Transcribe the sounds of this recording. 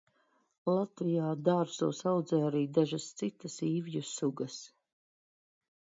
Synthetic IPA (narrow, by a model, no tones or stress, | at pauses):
lˠat̪vijaːd̪aːɾsuːsawd̪zɛːjaɾiːd̪aʒast̪sit̪asiːvjusuɡɐs